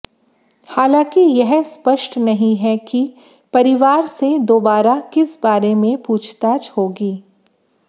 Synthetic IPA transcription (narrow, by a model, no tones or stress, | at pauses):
haːlãːkijɛɦspɐʃʈnɐɦĩɦɛki | pɐɾɪʋaːɾsed̪oːbaːɾakɪsbaːɾemẽpuːt͡ʃʰt̪aːt͡ʃhoːɡiː